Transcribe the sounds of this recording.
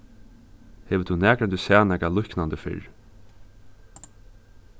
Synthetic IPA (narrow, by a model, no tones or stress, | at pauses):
hɛːʋət̪ʰunæːkɾɛnd̪usæːnɛkalʊhknand̪əfɪ̰ɹ